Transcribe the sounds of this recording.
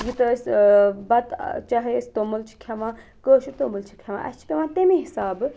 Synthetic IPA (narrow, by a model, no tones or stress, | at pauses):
jit̪əsʲbɐt̪t͡ʃaɦest̪oːmult͡ʃʰi̥kʰɐʋãː | kəːʃut̪oːmult͡ʃʰi̥kʲʰɐʋã̰ːʔɐ̰st͡ʃʰi̥pʲeʋãːt̪emĩɦisaːb